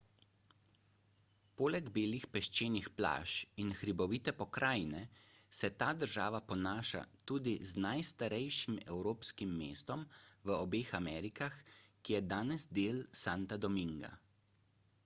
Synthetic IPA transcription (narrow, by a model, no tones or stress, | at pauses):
poːlɛɡbeːlixpɛʃt͡ʃeːnixpla̰ːʃinxɾibɔʋiːt̪ɛpɔkɾaːjnɛsɛt̪aːd̪əɾʒaːʋapɔnaːʃa̰t̪uːd̪iznajst̪aɾɛjʃimɛwɾoːpskimːḛːst̪ɔmʋəɔbeːxamɛːɾikaxkijɛd̪aːnɛzd̪eːlsaːnt̪ad̪ɔmiŋɡa̰